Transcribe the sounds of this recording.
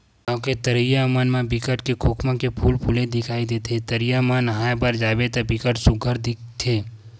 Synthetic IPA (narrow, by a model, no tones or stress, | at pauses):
ɔ̃ːket̪əɾijamənmãbɪkəʈkekʰoːkmãkepʰuːlpʰuled̪ɪkʰaːid̪eːt̪ʰet̪əɾijamãnɦaːpəɾd͡ʒaːbet̪ɐbɪkəʈsʊɡʱəɾd̪ɪk̚t̪ʰeː